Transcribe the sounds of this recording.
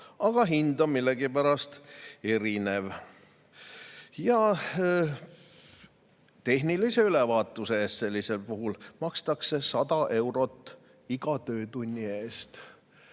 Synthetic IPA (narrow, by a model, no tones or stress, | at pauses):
ɑɡ̥ɑɦind̪omilːeɡ̥ipæɾɑst̪e̞ɾine̞v | jɑ | t̪e̞ɦnilise̞ylevɑːt̪ˑːuseeːst̪se̞lʲːise̞lpuɦulmɑkst̪ɑkse̞sɑd̪ɑʔe̞wɾo̞t̪ːˑ | iɡ̥ɑt̪øːt̪unʲːie̞ːst̪